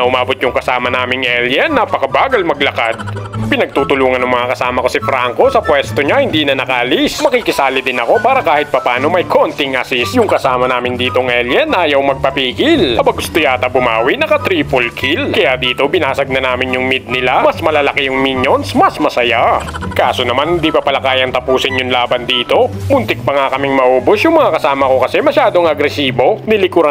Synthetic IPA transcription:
ɐʔʊmaːbot̪̚jʊŋkɐsaːmɐnaːmɪŋʔɛljɛnːɐpɐkɐbaːɡɐlmɐɡlɐkad̪̚pɪnɐɡ̚t̪uːt̪ʊluːŋɐnɐŋmɐŋakɐsaːmɐko̞sɪfɾaŋko̞sɐpwɛst̪oɲahɪnd̪iːnɐnɐkɐʔɐlismɐkikɪsaːlɪd̪ɪnɐko̞paːɾɐkaːhɪt̪̚pɐpaːno̞mɐjkʰont̪ɪŋʔɐsɪsjʊŋkɐsaːmɐnaːmɪnd̪iːt̪o̞ŋʔɛljɛnːɐʔaːjɐwmɐɡ̚pɐpiːɡɪlɐbɐɡʊst̪ojaːt̪ɐbʊma̰ːwinɐkɐt̪ɾiːpolkʰilkɐjad̪iːt̪o̞bɪnaːsɐɡ̚nɐnaːmɪnjʊŋmid̪̚nɪlamɐsmɐlalɐkɛjʊŋmiɲjonsmɐsmɐsɐjakaːso̞nɐmanhɪnd̪iːpɐpɐlɐkaːjɐŋt̪ɐpuːsɪnjʊŋlaːbɐnd̪iːt̪o̞bʊnt̪ɪk̚pɐŋakɐmɪŋmɐʔoːbosjʊŋmɐŋakɐsaːmɐko̞kɐsɛmɐʃaːd̪oŋɐɡɾɛsiːbo̞nɪlɪkʊɾɐ

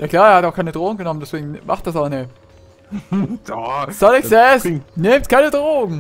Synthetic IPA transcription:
jʔaːkl̥aːeːɐhataʊxkʰaɪnədʁoːɡŋ̩ɡənɔməndɛsv̥eːɡŋ̩ma̰χt̚d̥as̬aʊnɛ | sɔlɪçsɛsneːmtkʰaɪnədʁoːɡŋ̩

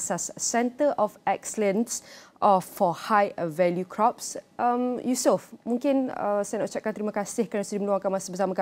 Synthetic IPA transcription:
sasːɛnt̪əʔɔfɛksələ̃nsʔɔfɔhajvɛljukʰɾɔpsʔəmjusəfmũŋkɪnə̰sajnaʔut͡ʃaʔ̚kant̪əɾimãkasɪhkanasudimə̃nluaŋkanmasabəsamãka

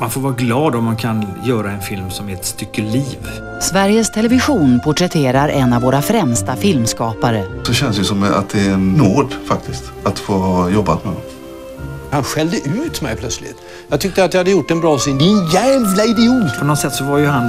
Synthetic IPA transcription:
manfoːɾvɑːɾaɡlɑːd̪ɔmːankʰanjœːɾaɛnfɪlmsɔmɛt̪st̪ʏkːəliːv | svæɾjəst̪ʰɛlɛvɪɧuːnpʰʊʈɾɛt̪ʰeːɾaɾʔɛnːavːoːɾafɾɛmst̪afɪlmskɑːpaɾəsɔɕɛnsd̪jɵsɔma̰t̪̚d̪ɛɛnnoːd̪fak̚t̪ʰɪst̪ | at̪foːhɑjɔbːa̰t̪mɛd̪ɔm | hanɧɛld̪əʔʉ̟ːɾt̪ʰmɛ̰jpʰlœt̪slɪ̰t̪ | jɑːt̪ʰʏkt̪əat̪jaɪhad̪ːəjʊʈːɛnbɾɑːsend̪ɪnjæːvlaɪd̪ɛuːt̪pʰɔnɔt̪sɛt̪ːsɔvaɾjɵɦan

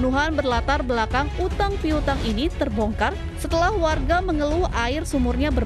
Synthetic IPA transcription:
nuɦanbərlat̪arbəlakaŋut̪aŋpiut̪aŋinit̪ərbɔŋkar | sət̪əlahwarɡaməŋəluaɪrsumʊrɲabər

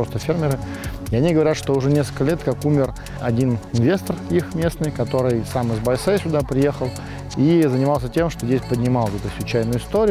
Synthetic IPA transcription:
ost̪əfʲermʲɪɾɨ | ɪɐnʲiɡəvɐɾʲat̪ʂt̪oʊʐɛnʲeskəlkəlʲet̪kakumʲɪr | ɐ̰dʲinɪnvʲe̞st̪ərixmʲe̞snɨjkɐt̪o̞ɾɨjsamɨzbɐjsesʲʊd̪apɾʲɪje̞xəlˠ | izənʲɪmalˠsʲətʲe̞mʂt̪ozʲesʲpədʲnʲɪmalˠsɛt̪ʊsʲvʲʊt͡ɕæjnʊjʊɪst̪oɾʲɪ

